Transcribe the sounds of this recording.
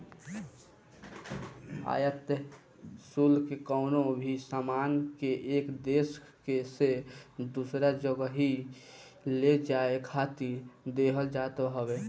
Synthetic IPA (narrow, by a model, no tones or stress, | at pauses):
a̰ːjət̪ | sulkekəʊnobʱisamankeʔekd̪es | kesed̪usɾad͡ʒəɡəɦi | led͡ʒaekʰat̪iɾd̪eɦəld͡ʒat̪oɦəbe